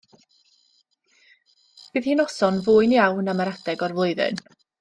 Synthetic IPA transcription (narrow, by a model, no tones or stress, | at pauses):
b̥ɨːð̥hiːnɔsɔnvʊːɨnjawnaməɾadɛɡɔrvlˠʊɨðɪ̰n